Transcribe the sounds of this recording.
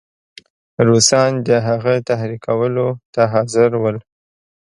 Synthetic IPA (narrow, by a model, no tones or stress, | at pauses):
ɾusɑnd̪əɦaɣat̪ahɾikʰawəlot̪aɦɑzɪɾwəl